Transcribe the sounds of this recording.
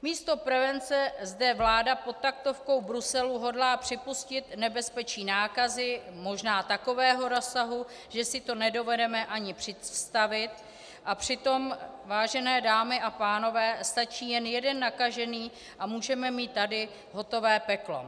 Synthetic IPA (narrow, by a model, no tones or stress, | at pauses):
miːst̪o̞pɾɛvɛnt͡sɛzdɛvlaːdapo̞t̪̚t̪ːak̚t̪o̞fko̞wbɾusɛluɦo̞dlaːpr̝̥ɪpuscɪt̪nɛbɛspɛt͡ʃiːnaːkazɪmo̞ʒnaːt̪ako̞vɛːɦo̞ɾo̞sːaɦu | ʒ̥ɛsɪt̪o̞nɛdo̞vɛdɛmɛʔaɲɪpr̝̥ɪst̪avɪt̪ | ʔapr̝̥ɪt̪o̞mvaːʒɛnɛːdaːmɪʔapaːno̞vɛːst̪at͡ʃiːjɛnjɛdɛnːakaʒɛniː | ʔamuːʒɛmɛmiːt̪ːadɪ | ɦo̞t̪o̞vɛːpɛklo̞̰